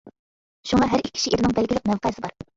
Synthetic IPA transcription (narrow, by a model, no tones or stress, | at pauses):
ʃuŋɑɦæɾikʲʰːi̥ʃiʔiɾnɪŋbælɡʲilɪq̚mɛwqʰɑsɪbɑɾ